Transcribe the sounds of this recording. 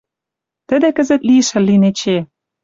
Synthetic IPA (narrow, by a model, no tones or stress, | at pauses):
t̪ə̆d̪ĕkə̆zə̆t̪liʃɘ̆lːinet͡ɕe